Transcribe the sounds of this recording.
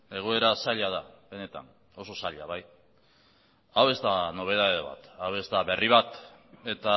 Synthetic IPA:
e̞ɣ̞oe̞ɾasaʎað̞aβe̞ne̞t̪a̰n | o̞so̞saʎaβaj | awe̞zd̪ano̞β̞e̞ð̞aðeβa̰t̪awe̞zd̪aβe̞riβat̪e̞t̪a

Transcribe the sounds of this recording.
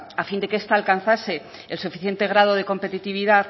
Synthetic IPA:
afind̪e̞keest̪aːlkan̟θase̞ | elsufi̥θje̞nt̪e̞ɣ̞ɾað̞oð̞e̞ko̞mpe̞t̪it̪iβiðað

